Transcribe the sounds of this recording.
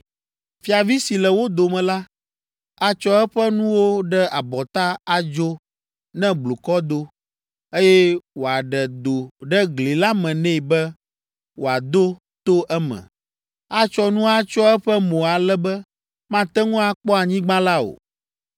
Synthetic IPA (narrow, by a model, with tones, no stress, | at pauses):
fi˨a˨vi˦si˨lɛ˨wo˦d̪o˨mɛ̃˨la˦ | a˦t͡ʃɔ˦ɛ˦ɸɛ˦nũ˦wo˦ɖɛ˦a˨bɔ˨t̪a˦a˨d͡ʒo˦ | nɛ̃˦blu˨kɔ˦d̪o˦ | e˦jɛ˦wo˨a˨ɖɛ˨d̪o˨ɖɛ˦ɡli˨la˦mɛ̃˨nɛ̃˦˨bɛ˦ | wo˨a˨d̪o˦ | t̪o˦ʔɛ˦mɛ̰̃˨ | a˦t͡ʃɔ˦nũ˦a˦t͡ʃɔ˦ɛ˦ɸɛ˦mõ˨a˨lɛ˦bɛ˦ | mã˦t̪ɛ˦ŋũ˦a˦k͡pɔ˦a˨ɲĩ˦ɡ͡bã˦la˦o̰˨